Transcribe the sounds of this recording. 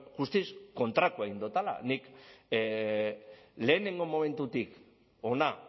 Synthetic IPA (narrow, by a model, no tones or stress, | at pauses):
ɡust̪isko̞nt̪ɾak̪ueɣind̪ot̪ala̰nik | le̞ːne̞ŋɡo̞mo̞mẽ̞nt̪ut̪ik | o̞na